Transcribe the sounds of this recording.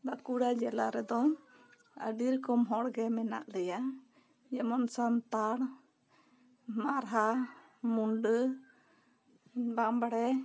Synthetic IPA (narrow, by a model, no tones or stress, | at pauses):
bakuɽad͡ʒɛla̰ɾɛd̪ɔ | ə̰ɖiɾkɔmɦɔɽɡɛmɛna̰ʔlɛja | jɛmɔnsamt̪aɽ | maɾɦa | muɳɖə | bambaɽɛ